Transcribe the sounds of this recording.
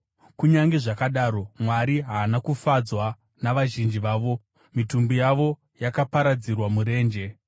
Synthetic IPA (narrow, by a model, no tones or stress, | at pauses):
kuɲaŋɡe̞ʐakaɗaːɾo̞mwaɾiɦaːnakufad͡zwa | naʋaʒind͡ʒiʋaːʋo̞ | mitumbujaʋo̞ | jakapaɾad͡zirwamuɾe̞ːnd͡ʒe̞